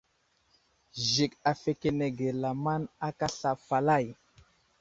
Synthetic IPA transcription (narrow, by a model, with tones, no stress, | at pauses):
zi˨ka˨fe˨ke˨ne˨ɡe˨la˨ma˦na˦ka˦ɬa˨fa˨la˦˨j